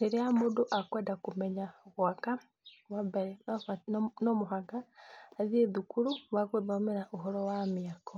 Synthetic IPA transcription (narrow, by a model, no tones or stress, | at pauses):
neɾiamodoʔakwɛːdakumeɲaɣwaka | wabeɾen | nomuɦaɡaːzieðukuɾuβakweβamiɾaʔuɦɔɾɔwamiako